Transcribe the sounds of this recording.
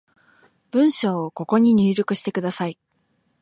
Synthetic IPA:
b̥ɯ̟̃ɰ̃ɕo̞ːko̞ko̞ɲ̟iɲ̟ɨːɾʲo̞kɯ̟ɕi̥t̪e̞kɯ̟d̪asai

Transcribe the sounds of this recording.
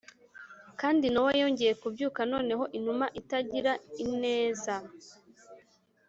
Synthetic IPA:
kaːndinowajo̞ːɲɟe̞je̞kubɟuːkano̞ːne̞ɦo̞ʔin̥umaʔitaɟiɾaine̞ːza

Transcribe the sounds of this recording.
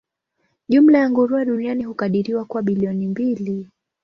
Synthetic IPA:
ʄum̩lajaŋɡuɾuaɗunianihukaɗiɾiwakuwaɓiliɔnimbili

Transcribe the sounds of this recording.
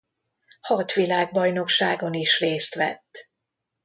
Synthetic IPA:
hɒt̪ʋilaːɡ̚bɒjno̞kʃaːɡo̞niʃreːst̪ʋɛ̰t̪ː

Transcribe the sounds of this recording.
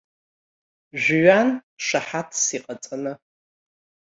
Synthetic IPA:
ʒʷɪɥanʂɐħatʰsiːqʼɐt͡sʼɐnɐ

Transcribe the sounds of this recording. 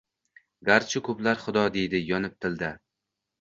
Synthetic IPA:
ɡaɾt͡ʃʰɪkʰɵplaɾχʊd̪ɒd̪e̞jd̪ɪjɒnɪp̚t̪ʰɪld̪ɪ

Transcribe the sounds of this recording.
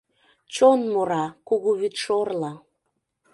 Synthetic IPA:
t͡ɕonmoɾɑkuɣuβit̪ʃorlɑ

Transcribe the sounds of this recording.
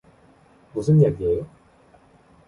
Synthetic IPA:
mus̬ʰɯnjaɡiejo

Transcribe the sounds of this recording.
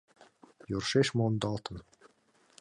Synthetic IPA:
jurʃeʃmond̪ɑlˠt̪ɤ̆n

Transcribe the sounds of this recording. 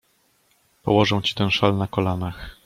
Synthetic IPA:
pɔ̰wɔʐɛw̃t͡ɕi̥t̪ɛnʂalnakɔlanax

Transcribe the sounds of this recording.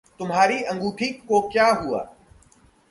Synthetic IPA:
t̪ʊmɦaːɾiːɐ̃ŋɡuːʈʰiːkːoːkjaːɦua̰ː

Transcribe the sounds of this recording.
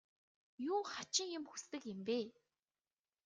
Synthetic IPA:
juːχat͡ɕɪ̆ŋjʊ̆mxu̥st̪ɘ̆kɪmpeː

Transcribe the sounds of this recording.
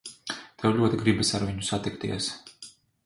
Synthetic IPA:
t̪ʰɛwʎʲuɔt̪iɡɾibasaɾviɲusat̪ikt̪ḭɛs

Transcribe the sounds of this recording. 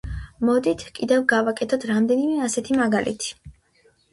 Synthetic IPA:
mɔd̪it̪ʰkʼid̪ɛvɡavakʼɛt̪ʰɔt̪ʰɾamd̪ɛnimɛasɛt̪ʰimaɡalʔḭt̪ʰi̥

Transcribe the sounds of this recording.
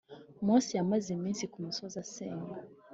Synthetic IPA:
mwɔsijamwɛziminsikum̩sɔzasɛma

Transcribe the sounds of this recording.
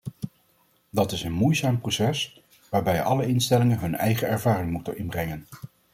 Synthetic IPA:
dɑtɪsənmujzaːmprosɛs | ʋaːɹbɛjɑ̰ləɪnstɛlɪŋənɦɵnɛ̰jχəɛɹvaːrɪŋmutənɪnbrɛŋən

